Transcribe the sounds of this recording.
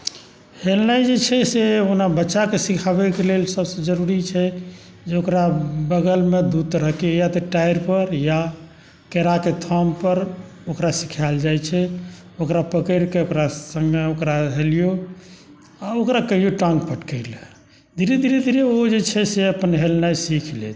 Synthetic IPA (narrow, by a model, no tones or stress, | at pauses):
helnajd͡ʒet͡ʃʰɛseonabətːʃakesikʰabɛkelelsəbsə̃d͡ʒəɾuɾit͡ʃʰɛ | d͡ʒeokɾabəɡəlmed̪ut̪ɾəɦkejat̪ɔʈajɾpəɾja | keɾaket̪ʰɔmpəɾ | okɾasi̥kʰald͡ʒajt͡ʃʰɛ | okɾapəkəɾkeokɾasə̃ŋɡeokɾaɦelijo | aokɾakəɦijoʈə̃ŋk̚pəʈkəɪl | d̪iɾed̪iɾed̪iɾeod͡ʒet͡ʃʰɛseəpənɦelnajsikʰlḛt̪